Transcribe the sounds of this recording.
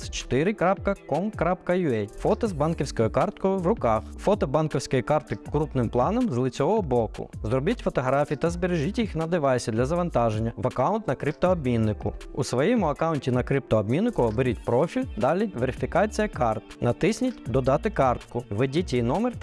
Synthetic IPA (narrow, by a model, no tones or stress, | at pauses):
st͡ʃɔ̥t̪ɪɾɪkɾap̚kɐkɔmkɾap̚kɐjʊɛjfɔt̪ɐzbɑnkʲiwsʲkɔjɔkɑrt̪kɔjʊʋrʊkɑxfɔt̪ɔbɑnkɔwsʲkɔjikɑrt̪ɪkɾupnɪmplˠɑnɔmzlˠɪt͡sʲɔʋɔɦɔbɔkʊ̰zrɔbitʲfɔt̪ɔɦɾɑfʲijit̪ɐzbeɾeʒitʲjixnɐd̪ɪʋɑjsʲɐd̪lʲɐzɐʋɐnt̪ɑʒenʲːɐʋɐkɑʊnt̪nɐkɾip̚t̪ɔɔbmʲinːɪkʊ̰usʋɔjɛmʊɐkɑwʊntʲinɐkɾɪp̚t̪ɔɔbmʲinːɪkʊɔbeɾʲitʲpɾɔfʲilʲd̪ɑlʲiʋeɾʲɪfʲikɑt͡sʲijɐkɑrt̪nɐt̪ɪsʲnʲitʲd̪ɔd̪ɑt̪ɪkɑrt̪kʊʋedʲitʲijnɔmer